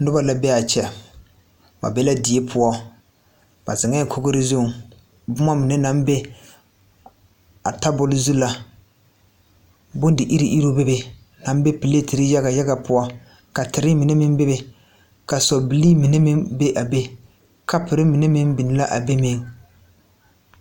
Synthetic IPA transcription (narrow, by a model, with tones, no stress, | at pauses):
dʊ˦ba˨la˨bɛ˦a˨t͡ʃɛ˨ | ba̰˨bɛ˦la˦dɪ˨e˦pʰʊ˦ɔ˦ | ba̰˨zɪ˨ŋɛ˦˨kʰo˦ɡo˦ɾɪ˦zʊ˦˨ŋ | bʊ˦ma˦mi˨ne˦na˨˦mbe˦ | a˨ta˦bʊ˨lɪ˦zu˦la˨ | bʊ˦n˦dɪ˨ʔi˦ɾi˨ʔi˦ɾo˦be˦be˨ | na˨m˦be˦pi˨le˦ti˨ɾi˦ja˦ɡa˨ja˦ɡa˨pʊ˦ɔ˦ | ka˨tɪ˨ɾɪ˦mi˨ne˦mɪ˦mbe˦be˨ | ka˨sɔ˨bi˨liː˦mi˨ne˦mɪ˦ŋbe˦ʔa˨be˦ | ka˦pɪ˨ɾɪ˦mi˨ne˦mɪ˦ŋbi˨nɪ˦la˦ʔa˨be˦mɪ˦ŋ